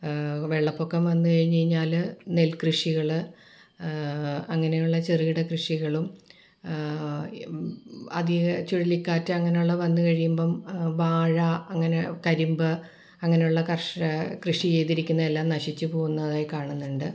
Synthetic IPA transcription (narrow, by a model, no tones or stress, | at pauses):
ʋe̞ɭːɐpːo̞kːemʋɐnːɨkɐɻiɲːɐjiɲːaːlne̞lkrɨʂiɣɐɭɨ | ɐŋːɐne̞juɭːɐt͡ɕeriiɽɐkrɨʂiɣɐɭum | ɐðit͡ɕuɻɐlikːaːtːɨɐŋːɐnejuɭːɐʋɐnːɨkɐɻijumboːmʋaːɻɐɐŋːɐnekɐɾumbɨ | ɐŋːɐne̞juɭːɐkɐrʂkrɨʂit͡ɕejt̪iɾikʲːunːɐelːaːmnɐʂit͡ɕːɨpo̞ːɣunːɐðaːjkaːɳunːuɳɖɨ